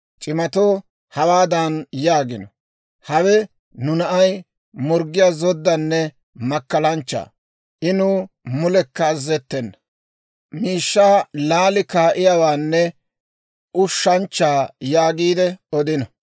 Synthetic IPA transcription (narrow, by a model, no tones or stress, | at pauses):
t͡ʃʼɪmɐt̪oː | hɐwaːd̪ɐnjaːɡɪnɔ | hɐwɛ | nʊnɐʔɐj | mɔɾɡɪjaːzɔd̪ːɐnːɛ | mɐkːɐlɐnt͡ʃːa̰ː | ʔɪnʊ | mʊlɛkːɐːzːɛt̪ːɛnːɐ | miːʃːaːlaːlɪkaːʔɪjawaːnːɛ | ʔʊʃːɐnt͡ʃːaːjaːɡiːd̪ɛɔd̪ɪnɐ